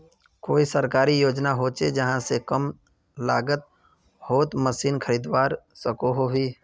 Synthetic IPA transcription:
koːisəɾkaːɾijoːd͡ʒnaɦoːt͡ʃed͡ʒɐɦãsekəm | laːɡət̪̚ | hoːt̪məsiːnkʰəɾiːd̪waːɾsəkoɦoɦiː

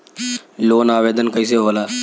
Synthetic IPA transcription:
loːnaːʋeːd̪ənkəis̬eɦoːlaː

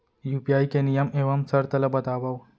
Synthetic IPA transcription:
juːpijaːikenijɐmeːʋɐmsɐɾt̪ɐlɐbɐt̪aːʋɐw

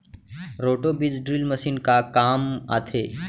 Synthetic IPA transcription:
ɾoʈobid͡zɖɾilməsiːnkakama̰t̪ʰe

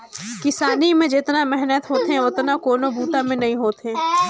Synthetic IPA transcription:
kɪsaːnimẽd͡ʒɪt̪namɛɦnət̪ɦoːt̪eɛ̃ʊt̪nakoːnobuːt̪amẽnɐɦĩɦoːt̪ẽː

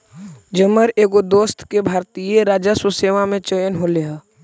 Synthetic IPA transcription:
d͡ʒəməɾeːɡod̪oːst̪ʰkebʱaːɾt̪ijeɾaːd͡ʒasʊseːʋamẽt͡ʃəjənɦoleaː

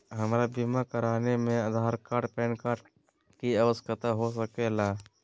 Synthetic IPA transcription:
ɦəmɾabimakəɾaːnemẽəd̪ʱaːɾkaːɾʈpɛ̃ːnkaːɾʈ | kiəʋəskət̪aɦosəkelaː

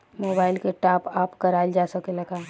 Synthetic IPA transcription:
moːbaːɪlkeʈaːpaːpkɐɾaːɪd͡ʒaːsɐkelɐɡaː

